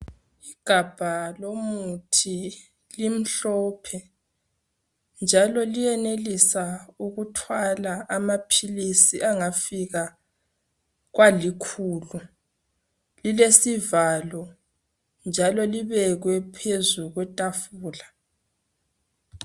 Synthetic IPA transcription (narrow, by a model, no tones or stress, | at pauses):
iɡ̥ʱab̥ʱalomutʰi | lim̩ɬɔːpʰɛ | nd͡ʒʱalɔlijɛnelisauɣutʰwalaʔamapʰilisiaŋafiɣa | ɣwalikʰulu | lilesivalɔ | nd͡ʒʱalɔliβɛɣwɛpʰezuɣwɛtʼafuːla